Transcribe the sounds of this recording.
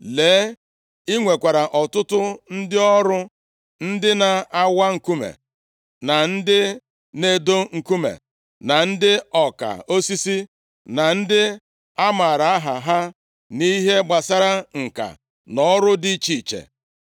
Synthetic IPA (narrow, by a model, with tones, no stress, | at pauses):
leː˨˦ | i˦ŋʷe˨kʷa˨ɾa˨ʔɔ˨tʊ˦tʊ˦n̩˦dɪ˦ɔ˦ɾʊ˦ | n̩˦dɪ˦na˨a˦wa˦ŋ̩˨ku˦mḛ˨ | na˨n̩˦dɪ˦ | ne˦do˦ŋ̩˨ku˦mḛ˨ | na˨n̩˦dɪ˦ɔ˨ka̰˨o˦si˦si˦ | na˨n̩˦dɪ˦ | a˦ma˨ɾa˨a˦ɦa˨ɦa˦ | ni˦ɦe˦ɡ͡ba˨sa˦ɾa˦ŋ̩˨ka̰˨ | nɔ˦ɾʊ˦di˦˨t͡ʃi˨t͡ʃḛ˨